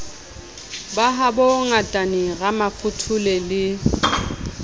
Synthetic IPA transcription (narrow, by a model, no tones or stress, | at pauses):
baɦabɔŋatʼanɪɣamafʊtʰʊlɛlɪ